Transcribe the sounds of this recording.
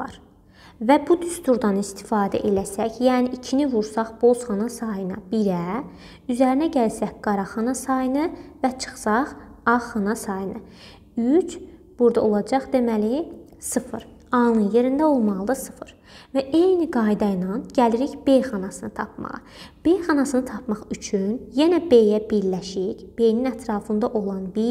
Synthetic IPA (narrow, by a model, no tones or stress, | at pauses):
ɑ̰ɾ | væbud̪yst̪uɾd̪ɑnist̪ʰi̥fɑːd̪æ̰ʔe̞læsæçjæːniʔicʰinivuɾsɑχb̥o̞zχɑnɑsɑjɯnɑ̰biɾæ | yzæɾinæɟælsæçɡ̥ɑɾɑχɑnɑsɑjɯnɯvæt͡ʃʰɯ̥χsɑχɑχɑnɑsɑjɯnɯ | yt͡ʃ | b̥uɾd̪ɑo̞lˠɑd͡ʒɑχd̪e̞mæli | sɯfɯ̰ɾ | ɑnɯnje̞ɾind̪æo̞lˠmɑlˠɯd̪ɯsɯ̥fɯɾ | væʔe̞jniɡɑjd̪ɑjnɑnɟæliɾiçb̥e̞jχɑnɑsɯnɯt̪ʰɑp̚mɑ̰ʁɯ̰b̥e̞jχɑnɑsɯnɯt̪ʰɑpʰmɑχyt͡ʃʰynjenæbe̞jæbiɾlæʃicb̥e̞jninæt̪ʰɾɑːfɯnd̪ɑʔo̞lˠɑnbi